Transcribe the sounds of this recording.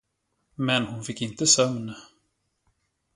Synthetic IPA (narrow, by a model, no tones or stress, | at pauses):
mɛnhʊnfɪkːɪnt̪əsœmn